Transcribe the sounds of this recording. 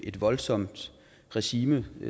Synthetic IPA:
ʔe̝d̥ʋɒ̽lsɒ̽m̰d̥ | ʁɛɕiːmə

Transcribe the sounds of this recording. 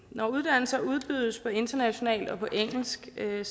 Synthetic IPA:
nɒuð̞ˠd̥æn̰l̩sɐuð̞ˠb̥yðˠəspʰɒ̽e̝nd̥ɐnæɕo̝nɛ̰ːld̥ɒ̽pʰɒ̽ʔeŋ̰l̩sɡ̥

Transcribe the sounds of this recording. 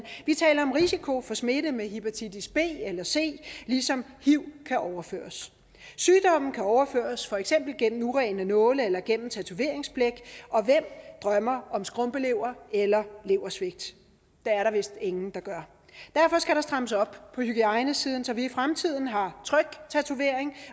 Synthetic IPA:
ʋit͡sʰɛ̰ːlɐɒ̽mʁisikʰo̝fɒ̽sme̝ɾəmeɦipot͡sʰid̥isb̥e̝̰ːelɐse̝̰ːlisɒ̽mhiʊ̰kʰæʔɒʊɐfø̰ːɐs | syːd̥ɒ̽m̰n̩kʰæɒʊɐfø̰ːɐsfɒ̽eɡ̥sem̰b̥l̩ɡ̥en̰m̩uʁɛɪnənɔ̽ːləelɐɡ̥en̰m̩t͡sʰæt͡sʰuʋe̝ɐe̝ŋsb̥leɡ̥ɒ̽ʋem̰d̥ʁɶmɐɒ̽msɡ̥ʁɔ̽mb̥əle̝ʊ̰ɐelɐle̝ʊɐsʋe̝ɡ̥̚d̥ | d̥eæɐɾɑ̈ʋe̝sd̥e̝ŋn̩d̥ɑ̈ɡ̥ɶɐ | d̥æɐ̰fɒ̽sɡ̥æɾ̥ɑ̈sd̥ʁaməsɒ̽b̥pʰɒ̽hyɡ̥iɑ̈ɪnəsiːðˠn̩sɒ̽ʋiːfʁamt͡sʰið̞̰ˠn̩ɦɑ̈t͡sʰʁœɡ̥t͡sʰæt͡sʰuʋe̝ɐ̰eŋ

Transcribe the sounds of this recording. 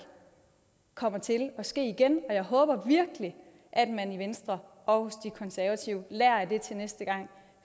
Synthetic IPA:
kʰɒ̽m̰ɐt͡sʰe̝lɒ̽sɡ̥e̝̰ːiɡ̥enɒ̽jɑ̈ɪɦɔ̽ːb̥ɐʋiɐɡ̥əli | ʔæd̥mæniʋensd̥ʁɐ | ɒhosd̥ikʰɒ̽nsæɐʋæt͡sʰiʊ̰læɐd̥e̝t͡sʰe̝lnesd̥əɡ̥ɑ̈ŋ̰

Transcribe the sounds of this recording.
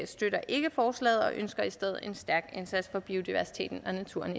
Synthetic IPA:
sd̥øɾɐʔe̝ɡ̥əfɒːslɛ̰ːð̩ˠɒ̽ʔønsɡ̥ɐisd̥eð̞̰ˠe̝nsd̥æɐɡ̥ensæd̥sfɒ̽b̥io̝d̥iʋæɐsi̥t͡sʰe̝̰ːd̥n̩ɒ̽næt͡sʰuɐ̰n

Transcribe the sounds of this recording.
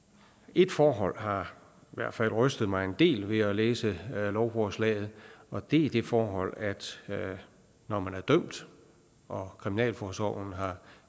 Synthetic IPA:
e̝d̥fɒːɦɒ̽l̰hɑ̈ | iʋæɐd̥fæl̰ʁœsd̥ð̩ˠmɑ̈ɪe̝nd̥e̝̰ːlʋe̝æleːsəlɒʊfɒːslɛ̰ːɪð̞̩ˠɒ̽d̥e̝æd̥e̝fɒːɦɒ̽l̰æd̥ | nɒmænæɐd̥øm̰d̥ | ʔɒ̽kʰʁiminɛ̰ːlfɒːsɒ̰ʊn̩ɦɑ̈

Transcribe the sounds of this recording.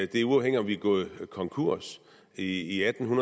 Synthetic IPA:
d̥e̝æɐuɑ̈ʊeŋ̰iɒ̽mʋiɡ̥ɔ̽ːð̩ˠkʰɒ̽ŋkʰuɐ̰s | iːæd̥n̩ɦunɐ

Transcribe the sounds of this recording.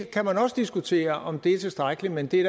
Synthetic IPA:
kʰæmænɒ̽səd̥isɡ̥ut͡sʰe̝̰ːɐʔɒ̽md̥e̝æɐt͡sʰe̝sd̥ʁɑɪɡ̥əlimend̥e̝ɾ

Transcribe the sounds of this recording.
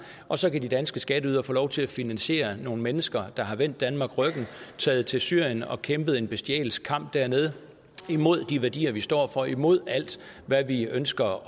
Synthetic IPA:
ʔɒ̽sɒ̽kʰæd̥id̥ænsɡ̥əsɡ̥ɛd̥əyðˠɐfo̰ːlɒʊt͡sʰe̝læfinænɕe̝̰ːɐno̝ːn̩menəsɡ̥ɐd̥ɑ̈ɦɑ̈ʋen̰d̥ːænmɑ̈ːɡ̥ʁœɡ̥n̩t͡sʰɛːð̩ˠt͡sʰe̝lsyɐ̰jənɒ̽kʰemb̥əð̩ˠe̝nb̥e̝sd̥iɛ̰ːl̩skʰɑ̈m̰b̥̚d̥æɐ̰ne̝ð̞ˠ | imo̝ð̞̰ˠd̥iʋæɐd̥ḭːɐʋisd̥ɒ̰ːfɒ̽imo̝ð̞̰ˠæl̰d̥ | ʋæʋiønsɡ̥ɐ

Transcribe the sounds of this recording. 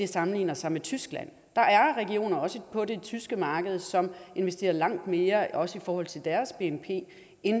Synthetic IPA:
e̝sɑ̈mn̩lḭːnɐsɑ̈ɪmet͡sʰysɡ̥læ̰n̰ | d̥ɑ̈ʔæɐʁɛɡio̝̰ːnɐɒ̽səpʰɒ̽de̝t͡sʰysɡ̥əmɑ̈ːɡ̥əð̞ˠsɒ̽me̝nʋesd̥e̝̰ːɐlɑ̈ŋ̰d̥me̝ːɐɒ̽səifɒːhɒ̽l̰t͡sʰe̝ld̥æɐsb̥e̝empʰe̝̰ː | en

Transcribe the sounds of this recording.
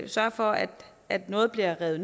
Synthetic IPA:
sɶɐfɒ̽æd̥ | æd̥nɔ̽ːð̞̩ˠb̥liɐʁɛːð̩ˠn

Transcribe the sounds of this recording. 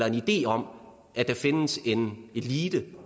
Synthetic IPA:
lɐe̝nid̥e̝̰ːɒ̽m̰ | ʔæd̥ɑfe̝nəse̝ne̝liːd̥ə

